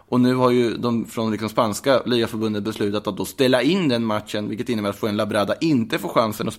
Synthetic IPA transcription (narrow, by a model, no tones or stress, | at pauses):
ʔɔnʉ̟ːhaɾjɵd̪ɔmfɾɔnlɪksɔmspanskaliːɡafœɾbɵnd̪ənbɛslʉ̟ːt̪at̪at̪̚d̪ɔst̪ɛlːaɪnːd̪ɛnmat̪ʂənvɪlkət̪ɪnːəbæːɾat̪foːɛnlabɾaːd̪aʔɪnt̪əfoːɧansənɔ